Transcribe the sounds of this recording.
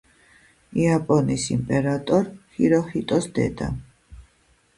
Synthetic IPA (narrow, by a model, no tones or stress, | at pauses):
iapʼɔnisimpʼɛɾat̪ʼɔɾhiɾɔhit̪ʼɔsd̪ɛ̰d̪a̰